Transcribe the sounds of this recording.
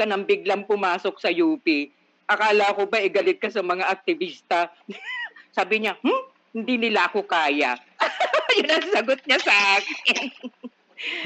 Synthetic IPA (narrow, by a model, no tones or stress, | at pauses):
kɐnɐŋbɪɡ̚laŋpʊmaːsok̚sɐjuːpi | ʔɐkaːlakobɐʔɪɡɐlɪt̪̚kɐsɐmɐŋaʔɐk̚t̪ɪbiːst̪ɐ | saːbɪɲah̩ | hɪnd̪inɪlaʔɐko̞kaːjɐ | jʊnɐŋsɐɡot̪̚ɲasɐʔaːkɪn